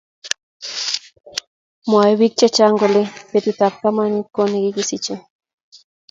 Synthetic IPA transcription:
moajβik̚t͡ʃat͡ʃaŋɡolepet̪ut̪ap̚kamanikːonekikisit͡ʃe

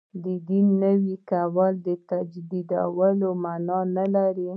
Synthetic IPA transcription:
d̪əd̪inːəwikawəld̪ət̪ad͡ʒd̪id̪awəlomanɑnalaɾi

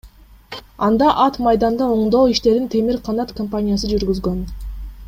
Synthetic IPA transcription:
ɑnd̪ɑʔɑt̪mɑjd̪ɑnd̪ɑoɴd̪o̞ːiʃt̪e̞ɾd̪int̪ʰe̞miɾqʰɑnɑt̪kompanʲijasɯd͡ʒyɾɡyzɡø̞n

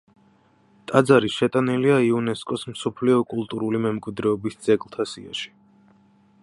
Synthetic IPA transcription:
t̪ʼad̪zaɾiʃɛt̪ʼaniliaiunɛskʼɔsmsɔpʰliɔkʼulˠt̪ʼuɾulimɛmkʼwid̪ɾɛɔbisd̪z̥ɛɡlˠt̪ʰasḭa̰ʃi̥

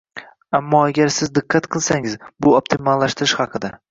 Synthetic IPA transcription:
amːɒaɡʲaɾsɪzd̪ɨqʰːɑt̪qʰɨlˠsaŋɪzbʊop̚t̪ʰɪmalːaʃt̪ɪɾɪʃhɑqʰɨd̪a

